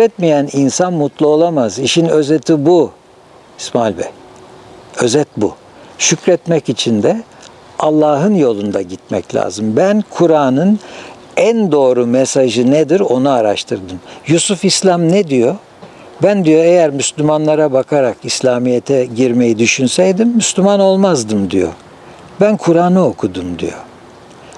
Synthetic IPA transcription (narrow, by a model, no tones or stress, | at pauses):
ɾɛt̪mijæninsanmut̪lˠuo̞lˠamaziʃinø̞zɛt̪ʰibu | ismalʲbɛ̰ | ø̞zɛt̪̚bu | ʃycɾɛt̪mɛcit͡ʃʰind̪ɛ | alˠːaːɦɯnjo̞lˠund̪aɟit̪mɛ̰clʲa̰ːzɯmbænkʰuɾaːnɯn | ænd̪o̞ːɾumesaʒɯned̪iɾo̞nuaɾaʃt̪ʰɯɾd̪ɯmjusufislʲamnɛd̪ijo | bænd̪ijoejæɾmyslʲymanlˠaɾabakʰaɾakislʲaːmijet̪ʰɛɟiɾme̞jid̪yʃynsɛjd̪imːyslʲymano̞lˠmazd̪ɯmd̪ijo̰ | bænkʰuɾaːnɯo̞kʰud̪umd̪ḭjo̰